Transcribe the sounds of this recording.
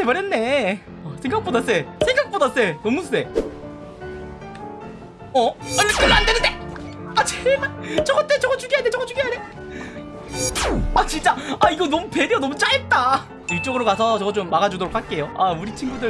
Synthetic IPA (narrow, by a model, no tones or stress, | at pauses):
emaɾenːe̞ | ʌsʰeŋɡak̚p͈odas͈e̞sʰeŋɡak̚p͈odas͈e̞nʌmusʰse̞ | ʌanekɯɾandenɯndeat͡ɕeɡat͡ɕʌɡʌt͈et͡ɕʌɡʌt͡ɕuɡiɦadet͡ɕʌɡʌt͡ɕuɡiɦade | at͡ɕint͡ɕ͈aaiɡʌnʌmupediʌnʌmut͡ɕ͈aet̚t͈a | iɭt͡ɕ͈ʌɡɯɾokasʰʌt͡ɕʌɡʌt͡ɕomːaɡad͡ʑudoɾokʰaɭk͈e̞joauɾit͡ɕʰinɡudɯ